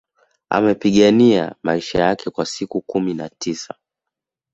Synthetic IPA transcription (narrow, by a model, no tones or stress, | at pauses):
a̰mɛpiɠania̰maiʃajakɛkwasikukumina̰tisa